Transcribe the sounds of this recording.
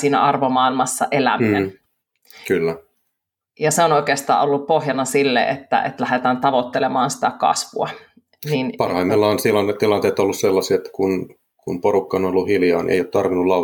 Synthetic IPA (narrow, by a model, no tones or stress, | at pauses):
siːnæ̰ɑrʋomɑilmɑsːɑ̰ʔelæ̰minen | kylːæ | jɑseonoikeːst̪ɑ̰ːolːuppohjɑnɑsilːḛḛt̪ːæ̰ʔḛt̪læhet̪æːnt̪ɑʋot̪ːelemɑːnsi̥t̪ækɑ̰sʋṵɑ | ninpɑrhɑimːelːɑonsilɑnːett̪ilɑnt̪eːt̪olːusselːɑsiet̪ːkun | kunpoɾukːɑonolːuhiljɑːnʔḛijoːt̪t̪ɑrʋinːullɑ